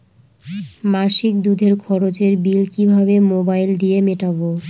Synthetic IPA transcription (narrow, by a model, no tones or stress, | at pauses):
maʃik̚d̪ud̪ʱeɾkʰɔɾot͡ɕeɾbilkibʱabemobajld̪iemeʈabo